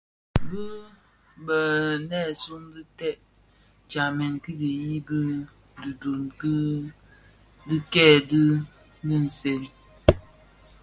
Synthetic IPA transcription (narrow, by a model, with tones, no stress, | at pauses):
bɨ˦ | bə˨nɛː˦˨su˦mdi˦tɛ˦˨ʔ | t͡ʃa˨mɛ˨ŋki˦di˨ji˦bi˦ | du˨do˨nk | di˦kɛː˦˨di˦ | bi˦n̩˨se˦n